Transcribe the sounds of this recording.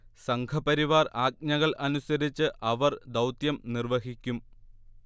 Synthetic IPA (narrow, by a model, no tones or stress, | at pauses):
sɐŋkʰɐpɐɾiʋaːraːk̚ɲɐɣɐɭʔɐnusɐɾit͡ɕːɨʔɐʋɐrd̪ɐwt̪jɐmnirʋɐɦikʲːum